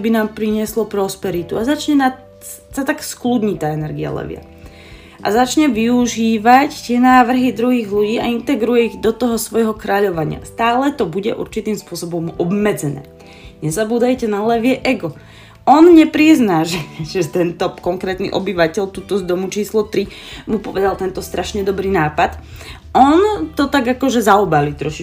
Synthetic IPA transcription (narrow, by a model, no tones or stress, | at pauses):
binaːmpɾiɲɪɛslɔpɾɔspɛɾit̪uazat͡ʃɲɛna | sat̪aksklud̪ɲit̪aːɛnɛɾɡia̰lɛ̰ʋɪa̰ | ʔa̰zat͡ʃɲɛʋiuʒiːʋact̪ɪɛnaːʋr̩ɦid̪ɾuɦiːɣʎuɟiːaint̪ɛɡɾujɛiɣd̪ɔt̪ɔɦɔsʋɔjɦɔkɾaʎɔʋaɲɪa̰st̪aːlɛt̪ɔbuɟɛʔṵɾt͡ʃit̪iːmspʊɔsɔbɔmɔbmɛd͡zɛnɛ̰ː | ɲɛzabuːd̪ajcɛnalɛʋɪɛʔɛɡɔ | ɔnɲɛpɾiznaːʒɛʒ̥ɛt̪ɛnt̪ɔkɔŋkɾɛːt̪nḭʔɔbiʋacɛʎt̪uːt̪ɔzd̪ɔmut͡ʃiːslɔt̪ɾimupɔʋɛd̪alt̪ɛnt̪ɔst̪ɾaʃɲɛd̪ɔbɾiːnaːpat̪ | ʔɔnt̪ɔt̪aɡakɔʒɛzaɔbalit̪ɾɔʃi